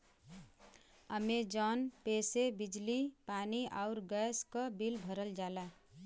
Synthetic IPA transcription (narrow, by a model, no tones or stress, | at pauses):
əmed͡ʒɔnpesebid͡ʒlipaniʔaʊɾɡəskʌbilbʱəɾəld͡ʒala